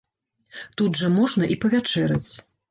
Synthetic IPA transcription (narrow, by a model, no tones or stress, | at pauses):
t̪ud̪ʐɐmɔʐnɐʔipɐvʲat͡ʂɛɾɐ̰t͡sʲ